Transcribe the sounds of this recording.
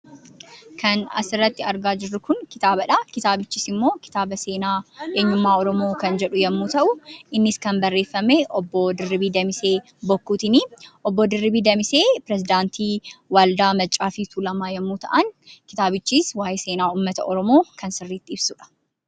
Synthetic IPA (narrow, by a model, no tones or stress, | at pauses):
kʰɐnɐ̰sɪrːɐt̪ːɪɐɾɡaːd͡ʒɪrːʊkʊnkɪt̪aːbɐᶑakɪt̪aːbɪt͡ʃːiːsɪmːo̞ːkɪ̥t̪aːbɐse̞ːnaːʔe̞ːɲːʊmːaːɔɾɔmo̞ːkɐnd͡ʒɛᶑʊjɐmːuːt̪ɐʔʊʔɪnːɪskɐnbɐrːe̞ːfːɐmeːʔɔbːoːd̪ɪrːɪbiːd̪ɐmɪse̞ː | bɔkːuːt̪ɪniːʔɔbːod̪ɪrːɪbiːd̪ɐmɪse̞ːpɪɾɛzɪd̪aːnt̪iːwaːld̪aːmɐt͡ʃʼːaːfit̪ʰuːlɐmaːjɐmːuːt̪ɐ̰ʔɐnkɪt̪aːbɪt͡ʃːiːswaːjɛse̞ːnaːuːmːɐt̪ɐ̰ʔɔɾɔmo̞ːkɐnsɪrːiːt̪ːɪɪbsʊːᶑɐ̥